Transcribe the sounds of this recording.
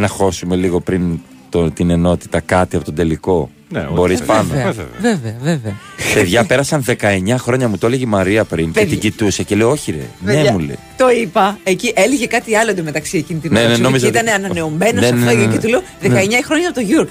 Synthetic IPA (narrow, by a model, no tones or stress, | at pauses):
nɐxo̞sume̞liɣo̞pɾin | t̪ot̪ine̞no̞t̪i̥t̪ɐkɐt̪iɐpo̞t̪od̪e̞liko̞ | nbo̞ɾispɐnoɐveveɐveveɐ | peðʝɐpe̞ɾɐsɐnðe̞kɐe̞ɲɐxɾo̞ɲɐmut̪oeleʝimɐɾiɐpɾincet̪iɟit̪useceleooçiɾḛnemulḛ | t̪o̞ipɐeciʔe̞liʝekɐt̪iɐloed̪ome̞t̪ɐksie̞cinit̪innenenomizoiit̪ɐneɐnɐne̞o̞me̞nosɐftoooket̪uleoðeɐeɲɐixɾo̞ɲɐpot̪oʝuɾok